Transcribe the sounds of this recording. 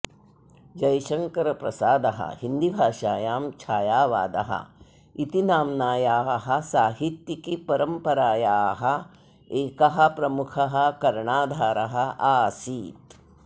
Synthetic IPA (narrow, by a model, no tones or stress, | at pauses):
d͡ʒɐjʃɐŋkɐɾɐpɾɐsaːd̪ɐɦɐ̰hind̪ibʱaːʂaːjaːmt͡ʃʰaːjaːʋa̰ːd̪ɐ̰ɦɐ̰ | it̪inaːmnaːjaːɦɐ̆saːɦit̪jɐkipɐɾɐmpɐɾaːjaːɦɐ | eːkɐɦɐ̆pɾɐmukʰɐɦɐ̆kɐɾɳaːd̪ʱaːɾɐɦɐaːsiːt̪